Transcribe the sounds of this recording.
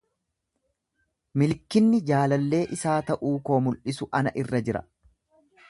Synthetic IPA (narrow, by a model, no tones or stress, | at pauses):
mɪlkːɪnːɪd͡ʒaːlɐlːe̞ːʔɪsaːt̪ɐʔuːko̞ːmʊlʔɪsʊʔɐnɐʔɪrːɐd͡ʒɪɾɐ̰